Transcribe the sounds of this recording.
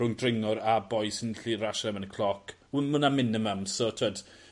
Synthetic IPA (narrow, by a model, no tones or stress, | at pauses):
ʊŋdrɪŋɔɾabɔjsɪnɬiɾaʃɛmənəkʰlˠɔkʰ | unmʊnamɪnəməmsɔtʰwəd̥